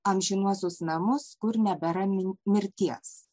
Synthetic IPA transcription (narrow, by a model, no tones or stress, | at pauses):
ɐmʲʒʲɪnuɔsʲʊsnɐmʊskʊɾnʲɛbʲɛɾɐmʲɪɾʲt̪ʲiɛs